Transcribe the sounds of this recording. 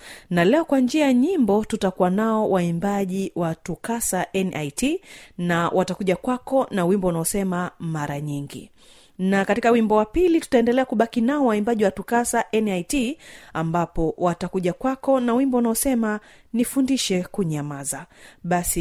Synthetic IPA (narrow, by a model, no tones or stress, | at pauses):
nalɛɔkwand͡ʒiajaɲimbɔtutakuwanaɔwʔaimbaʄiwatukasaʔɛnʔajtinawʔatakuʄakwakɔnawimbɔunaɔsɛmamaɾaɲiŋɡḭ | nakatikawimbɔwapilitu̥taɛndɛlɛakuɓakinaɔwaimbaʄiwatukasaʔɛnajtiambapɔwatakuʄakwakɔnawimbɔunaɔsɛma | nifundiʃɛkuɲamazaɓasi